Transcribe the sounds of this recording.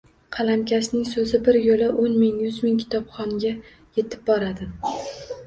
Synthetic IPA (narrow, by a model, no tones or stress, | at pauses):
qʰɑlamkʲasnɪŋsɵzɪbɪɾjolɪʔonmɪŋjʊzmɪŋkʲʰɪ̥t̪ʰɒpχɒŋɡʲa | je̞t̪ʰɪ̥p̚bɒɾad̪ɪ